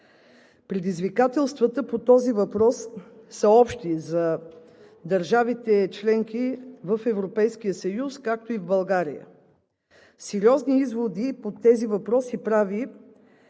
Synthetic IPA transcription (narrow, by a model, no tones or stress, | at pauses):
pɾɛd̪izvikat̪ɛlˠst̪vət̪əpot̪ɔzivɐpɾɔsːəɔpʃt̪izɐ | d̪ɐɾʒavit̪ɛt͡ʃlɛŋkivəfɛvɾopɛjsk̟ijəsəjuskak̚t̪oivbɐlˠɡaɾḭjə̰ | sɛɾiɔzniizvod̪ipot̪ɛzivɐpɾɔsipɾavi